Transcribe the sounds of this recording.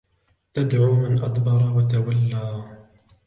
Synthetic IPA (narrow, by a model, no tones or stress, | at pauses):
t̪ad̪ʕuːmanʔad̪bɑɾˤwat̪awalːaː